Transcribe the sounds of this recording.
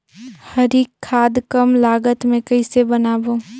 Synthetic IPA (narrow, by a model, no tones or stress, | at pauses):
həɾikʰːaːd̪kəmlaːɡət̪mẽkəɪsebənaːbõ